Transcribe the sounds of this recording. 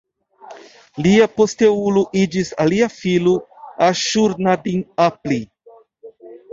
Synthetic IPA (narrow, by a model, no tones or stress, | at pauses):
liapo̞ste̞uluʔid͡ʒisaliafiluaʃuɾnadinapli